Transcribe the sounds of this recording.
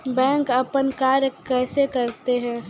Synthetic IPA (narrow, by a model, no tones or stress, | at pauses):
bɛ̃ːŋkəpənkaːɾjəkɛːsekəɾt̪eɦɛ̃ː